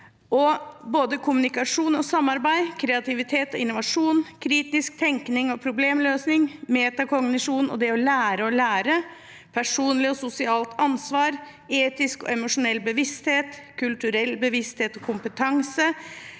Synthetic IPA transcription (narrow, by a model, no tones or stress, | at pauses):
ʔɔboːd̪əkʰʊmʉnɪkɑʂuːnɔsɑmːɑɾbæɪkʰɾɛɑt̪ɪʋɪt̪ʰeːt̪ɔɪnʊʋɑʂuːnkʰɾiːt̪ɪsk̚t̪ʰɛŋknɪŋɔpʰɾʊbleːmløːsnɪŋmeːt̪ɑkɔɡnɪʂuːnɔ̰d̪ɛɔlæːɾəɔlæːɾə | pʰæʂuːnlɪɔsʊsɪɑːlt̪ʰɑnsʋɑːɾ | eːt̪ɪskɔ̰ɛmʊʂʊnɛlːbəʋɪst̪heːt̪kʰʉlt̪ʉɾɛlːbəʋɪst̪heːt̪ɔkʰʊmpət̪ʰɑŋsə